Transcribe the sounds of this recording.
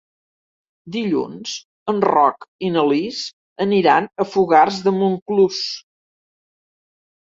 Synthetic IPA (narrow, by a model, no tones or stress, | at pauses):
d̪iʎṵnz̥ | ənrɔ̰kinəliz | əniɾanəfuɣarzðəmuŋklus